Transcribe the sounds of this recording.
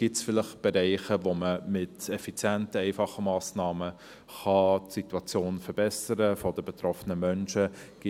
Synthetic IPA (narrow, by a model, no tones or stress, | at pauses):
ɡ̥ɪtsfɪlɪχt̚b̥ɛɾɛɪχəʋoməmɪtɛfit͡sjæntəɛɪfɑχəmɑːsnɑːmə | χɑtsituɑt͡sjoːnfɛɾb̥ɛsəɾəfɔdəbɛt̪ɾɔfənəmœnʃəɡ̥ɪ